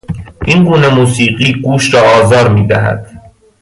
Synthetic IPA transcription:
ʔinɡuːne̞muːsiːɢiːɡuːʃɾɒːɒːzɒːɾmiːd̪æɦæ̰d̪̥

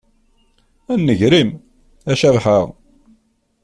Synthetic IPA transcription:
ænːəʝɾim | æʃævħəʁ

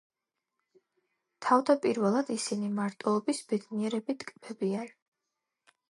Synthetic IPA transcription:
t̪ʰavd̪apʼiɾvɛlˠad̪isinimaɾt̪ʼɛlˠɔbisb̥ɛd̪niɛɾɛbid̪kʼbɛbian

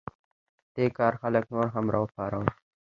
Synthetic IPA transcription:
d̪̥ekɑːɾxaləknoɾɦamɾʔɑ̰əpɑɾaw

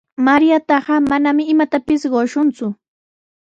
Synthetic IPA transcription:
maɾjat̪ɑɢɑmanamɪɪmat̪apɪsɢoʃʊnt͡sʊ

